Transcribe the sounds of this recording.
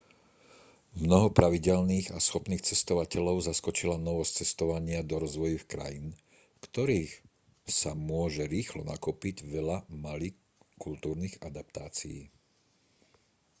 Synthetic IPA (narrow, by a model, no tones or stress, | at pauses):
mmnɔɦɔpɾaʋiɟɛlniːɣasxɔpniːxt͡sɛst̪ɔʋacɛʎɔʊzaskɔt͡ʃilanɔʋɔst͡sɛst̪ɔʋaɲɪad̪ɔɾɔzʋɔjixkɾa̰jin | kt̪ɔɾiːx | samʊɔʒɛɾiːxlɔna̰kupiɟʋɛʎamali | kult̪uːɾniɣad̪apt̪aːt͡sḭjḭː